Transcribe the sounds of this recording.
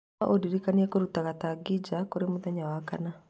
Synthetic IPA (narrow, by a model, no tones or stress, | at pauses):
aʔodiɾikaniɛkoɾutaɣataɡid͡ʑakoɾemuðɛɲawakana